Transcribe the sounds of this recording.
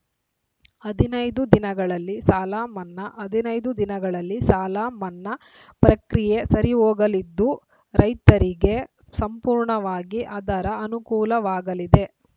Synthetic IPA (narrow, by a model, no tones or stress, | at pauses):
ɐd̪inɐjd̪ud̪inɐɡɐɭɐlːisaːlamɐnːɐʔɐd̪inɐjd̪ud̪inɐɡɐɭɐlːisaːlamɐnːɐ | pɾɐkɾije̞sɐɾioːɡɐlid̪ːu | ɾɐjt̪ɐɾiɡe̞ | sɐmpuːɾɳɐʋaːɡiʔɐd̪ɐɾɐɐnukuːlɐʋaːɡɐlid̪e̞